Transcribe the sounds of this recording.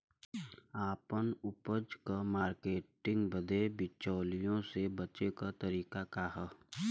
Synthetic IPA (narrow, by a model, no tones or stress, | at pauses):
aːpənʊpəd͡ʒkamaːɾkeːʈɪ̃ŋɡbəd̪ebɪt͡ʃɔːlijõsebɐt͡ʃekat̪ɐɾiːkakaɦɛ